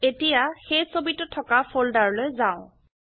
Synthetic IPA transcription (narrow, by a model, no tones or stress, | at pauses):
etijaxejsobitːɔtʰːɔkapʰoldaɹlojzaʊ̃